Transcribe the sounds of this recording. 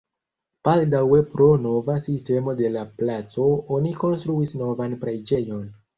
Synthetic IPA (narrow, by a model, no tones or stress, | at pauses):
paldawe̞pɾo̞no̞vasiste̞mo̞de̞laplat͡so̞oniko̞nstɾuisno̞vanpɾed͡ʒe̞jo̞n